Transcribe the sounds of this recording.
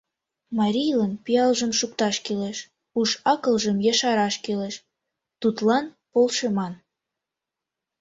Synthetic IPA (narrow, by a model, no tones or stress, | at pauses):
mɑɾʲijlənpijɑlʒəmʃuk̚t̪ɑʃkeleʃ | uʃɑkə̆lʒəmjɑʃɑɾɑʃkeleʃ | t̪ut̪lɑn | polʃemɑn